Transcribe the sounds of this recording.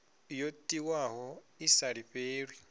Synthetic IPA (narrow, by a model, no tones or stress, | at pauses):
jotʼiwaɦɔ | isaɺiɸeːɺwi